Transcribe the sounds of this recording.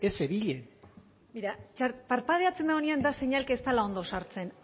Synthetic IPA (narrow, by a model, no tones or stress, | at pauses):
eseβiʎen | miɾat͡ʃaɾpaɾpað̞eat͡se̞nd̪aɣoneand̪aseɲalkest̪alao̞nd̪o̞saɾt͡se̞n